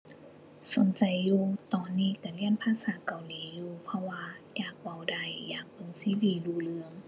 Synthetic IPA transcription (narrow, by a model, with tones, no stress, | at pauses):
so˨˦nt͡ɕa˨˩jːuː˧t̪ɔː˨˩nːiː˧˩˨kaː˧˩li˧˥˨ənpʰaː˧˥saː˨˦ka˨˩wliː˨˦juː˧pʰɔ˧waː˧jaː˨˩k̚wa˧˩wda˧˩jːaː˨˩k̚pɤ˧˨ŋsi˧˦diː˨˧˩luː˧˩lɯ˧əŋ